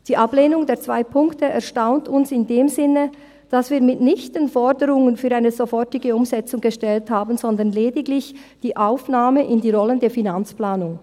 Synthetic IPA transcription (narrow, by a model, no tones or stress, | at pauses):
d̥iːʔableːnʊŋdeːɐt͡sv̥aɪpʰʊŋktəʔɛɐʃtaʊntʊnsɪndeːmzɪnə | d̥asv̥iːɐmɪtnɪçtənfɔdəʁʊŋənfyːɾʔaɪnəzofɔʁtɪɡəʊmzɛt͡sʊŋɡəʃtɛlthaːbn̩zɔndənlɛːdɪɡlɪçd̥iːʔaʊfnaːməʔɪndiːʁɔləndeːɐfinant͡splaːnʊŋ